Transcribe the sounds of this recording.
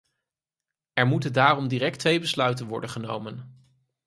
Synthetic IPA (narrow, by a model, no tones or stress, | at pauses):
ɛɹmutəndaːrɔmdiːɾɛk̚tʋejbəslœɥtənʋɔ̰ɹdənχənowmən